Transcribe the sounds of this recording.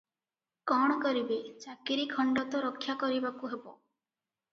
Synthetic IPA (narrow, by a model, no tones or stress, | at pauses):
kɔɽ̃ɔkɔɾibet͡ʃakiɾikʰɔɳɖɔt̪ɔɾɔkʰːjakɔɾibakuɦebɔ̰